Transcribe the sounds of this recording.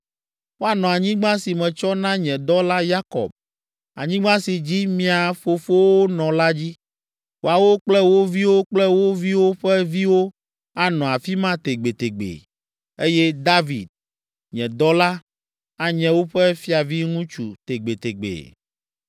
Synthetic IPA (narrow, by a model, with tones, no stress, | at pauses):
wo˦a˨nɔ̃˨a˨ɲĩ˦ɡ͡bã˦si˨mɛ̃˨t͡ʃɔ˦nã˦ɲɛ̃˨d̪ɔ˦la˦ja˦kɔ̰˨b̚ | a̰˨ɲĩ˦ɡ͡bã˦si˨d͡ʑi˦mĩ˦a˨fo˨fo˦wo˦nɔ̃˨la˦d͡ʑi˦ | wo˨a˨wo˦k͡plɛ˦wo˦vi˦wo˦k͡plɛ˦wo˦vi˦wo˦ɸɛ˦vi˦wo˦ | a˦nɔ̃˨a˨fi˦mã˦t̪e˨ɡ͡be˨t̪e˨ɡ͡bḛ˨ | e˦jɛ˦d̪a˦vi˨d̪̚ | ɲɛ̃˨d̪ɔ˦la˦ | a˨ɲɛ̃˨wo˦ɸɛ˦fi˦a˨vi˦ŋũ˦t͡ʃu˨t̪e˨ɡ͡be˨t̪e˨ɡ͡bḛ˨